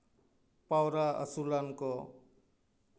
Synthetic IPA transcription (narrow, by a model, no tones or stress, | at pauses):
pawɾaʌ̰sulanko